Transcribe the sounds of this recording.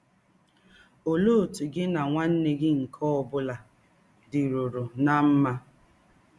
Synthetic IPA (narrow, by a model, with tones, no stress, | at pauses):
o˨lo˦˨tu˨ɡɪ˦na˨ŋʷa˦n̩˦ne˦ɡɪ˦ŋ̩˨kʰɔ˦ɔ˨bʊ˦la˨ | dɪ˨ɾo˨ɾo˨na˦m̩˦ma˦